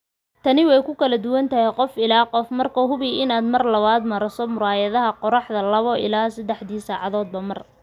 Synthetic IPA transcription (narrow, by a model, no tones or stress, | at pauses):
t̪ʰɐnɪwɛjkʰʊkʰɐlɐd̪ʊwɐnt̪ʰɐhɛjqɔfɪlaːqɔfmɐrkʰɐɦʊβiɪnaːd̪mɐrlɐβaːd̪mɐɾɐsɔmʊɾaːjɐðɐɦɐqɔɾɑħðɐlɐβɔʔɪ̰laːsɐd̪ɛħd̪iːsaːʕɑðɔːd̪̚bɐmɐr